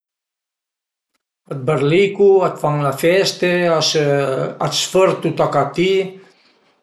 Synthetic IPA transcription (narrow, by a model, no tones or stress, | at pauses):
ət̪̚bəɾlikuat̪faŋlafɛst̪e | asfəɾt̪ut̪akat̪i